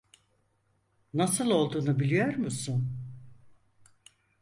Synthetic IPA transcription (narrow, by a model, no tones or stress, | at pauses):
nasɯlˠo̞lˠd̪uːnubilʲijoɾmusun